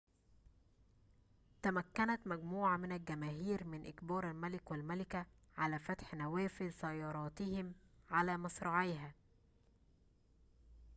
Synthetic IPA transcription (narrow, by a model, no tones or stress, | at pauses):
t̪æmækːænæt̪mæɡmuːʕamɪnælɡæmæːɦiːɾmɪnʔɪkbɑːɾˤalmælɪkwalmælɪkæʕalæːfæt̪ħnæwæːfɪlsæjːɑːɾˤɑːt̪ɪhɪmʕalæːmɑsɾˤɑʕeːɦæː